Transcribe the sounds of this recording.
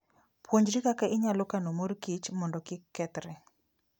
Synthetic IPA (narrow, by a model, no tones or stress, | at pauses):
pwoɲd͡ʒɾikakaʔɪɲalɔkanomoɾkit͡ʃmɔndɔkɪkːɛt̪ɾɛ